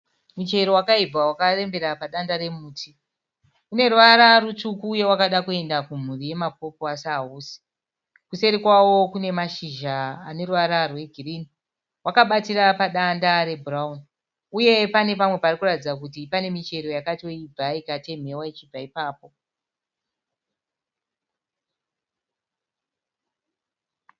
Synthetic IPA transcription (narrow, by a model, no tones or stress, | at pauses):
mut͡ʃe̞ɾo̞wakaib͡vawakare̞mbe̞ɾapaɗandaɾe̞muːtʰi | une̞ruʋaɾarutukuːje̞wakaɗakue̞ndakum̤urije̞map̚o̞poasauːsi̥ | kuse̞ɾikwawo̞kune̞maʃiʒaːne̞ruʋaɾarwe̞ɡʱiriːni | wakaɓatirapaɗandaɾe̞buraun | uje̞pane̞pamwe̞parikuratid͡zak̬utipane̞mit͡ʃe̞ɾo̞jakato̞ib͡vaikate̞m̤e̞wait͡ʃib͡vaipaːpo̞